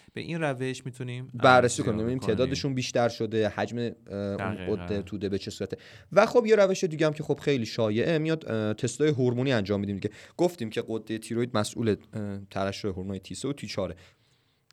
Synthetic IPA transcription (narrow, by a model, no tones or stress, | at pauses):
b̥ḛʔinræveʃmit̪ʰunimbæɾːesikʰonimebiniːmt̪ʰeʔd̪ɒːd̪e̞ʃunbiːʃt̪æɾʃo̞d̪e̞hæd͡ʒme̞ṵnɢod̪ːe̞t̪ʰuːd̪e̞be̞t͡ʃʰe̞suːɾæt̪ʰe | væxo̞bje̞ɾæve̞ʃed̪iːɟæmcʰe̞xo̞b̥xejliːʃɒːje̞ʔemijɒd̪̥t̪ʰe̞st̪ɒːjeɦoɾmuːniːænd͡ʒɒːmːid̪iːmd̪iɟeɡ̥oft̪iːmcʰe̞ɢod̪ːe̞jet̪ʰiːɾojd̪̚mæsʔṵːlet̪ʰævæʃːojeɦoɾmunːjet̪ʰiːseut̪ʰiːt͡ʃʰɒːɾe̞